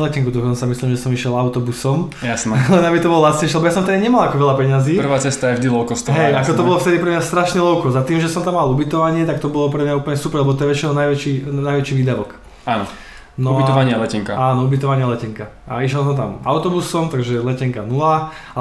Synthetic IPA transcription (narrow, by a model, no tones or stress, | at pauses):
lɛcɛŋkud̪ɔkɔnt͡samisliːmʒɛsɔmiʃɛlaʊt̪ɔbusɔm | jasnlɛnamit̪ɔbɔlɔlat̪t͡sɲɛʃilɛbɔjas̬ɔmt̪ɛd̪aɲɛmalakɔʋɛlapɛɲaziːpr̩ʋaːt͡sɛst̪ajɛʒd̪ilɔʊkɔst̪ɔɦɛjakɔtt̪ɔbɔlɔft̪ɛd̪ipɾɛmɲast̪ɾaʃɲɛlɔʊkɔzat̪iːmʒɛsɔmt̪amːalubit̪ɔʋaɲɪɛt̪ak̚t̪ɔbɔlɔpɾɛmɲaupl̩ɲɛsupɾɛɾlɛbɔt̪̬ɔjɛʋɛt͡ʃinɛɔnajʋɛt͡ʃinajʋɛt͡ʃiːʋiːd̪aʋɔk | aːnɔ | nɔbit̪ɔʋaɲɪalɛcɛŋkaaːnɔubit̪ɔʋaɲɪalɛcɛŋka | a̰iʃjɛlsɔmt̪a̰ma̰ʊt̪ɔbusɔmt̪aɡʒɛlɛcɛŋkanulaa